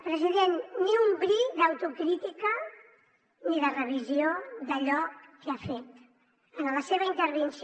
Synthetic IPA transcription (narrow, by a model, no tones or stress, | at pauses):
pɾəziðenːiumbɾid̪əwt̪ukɾit̪ikə | niðərəβ̞izioðəʎɔkːeafet̪ | ənələseβəint̪əɾβ̞əns